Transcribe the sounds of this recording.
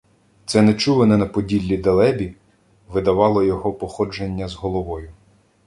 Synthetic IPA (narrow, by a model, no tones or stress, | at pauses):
t̪sɛnɛt͡ʃulˠenɛnɐpɔdʲilʲːid̪ɐlˠɛbʲi | ʋɪd̪ɐʋɑlˠɔjɔɦɔpɔxɔd͡ʒenʲːɐzɦɔlˠɔʋɔjʊ